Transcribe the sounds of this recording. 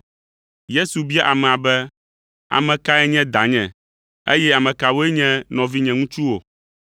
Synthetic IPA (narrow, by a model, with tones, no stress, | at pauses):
je˦su˨bi˦a˦ʔa˨mɛ˨a˨bɛ˦ | a̰˨mɛ̃˨ka˦ɛ˦ɲɛ̃˦d̪a˨ɲɛ̰̃˨ | ḛ˦jɛ˦a˨mɛ̃˨ka˨wo˦e˦ɲɛ̃˦nɔ̃˨vi˦ɲɛ̃˨ŋũ˦t͡ʃu˦wo˨